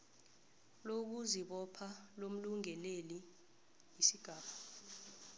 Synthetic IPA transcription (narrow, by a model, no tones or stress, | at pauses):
lok̬uziɓɔpʰalom̩luŋɛleli | isiɡ̥ʱaːɓa